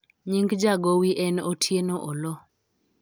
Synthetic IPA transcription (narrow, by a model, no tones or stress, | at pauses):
ɲiŋɡd͡ʒaɡowiʔɛnotʰjenoʔolɔ